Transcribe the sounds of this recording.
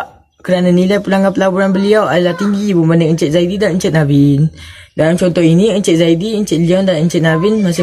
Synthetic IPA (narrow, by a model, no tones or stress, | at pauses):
kəɾanãnilajpulaŋanpəlabuɾanbəliawadalaht̪iŋɡibənbanəʔəɲt͡ʃət̪̚zaididanəɲt͡ʃət̪̚nabɪndalamt͡ʃɔnt̪ɔhinĩəɲt͡ʃət̪̚zaidiəɲt͡ʃət̪̚liɔndanəɲt͡ʃət̪̚nabɪnmas̬ɪ